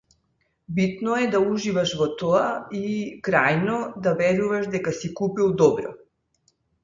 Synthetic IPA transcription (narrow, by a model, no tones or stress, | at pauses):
bit̪nɔɛd̪auʒivaʃvɔt̪ɔaikɾajnɔd̪avɛɾuvaʃd̪ɛkasikupilˠd̪ɔbɾɔ̰